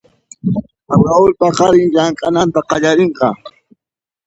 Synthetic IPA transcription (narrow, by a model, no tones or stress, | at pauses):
abaʊlpaqɑɾɪŋjaŋkʼanant̪aqɑʎaɾeɴqɑ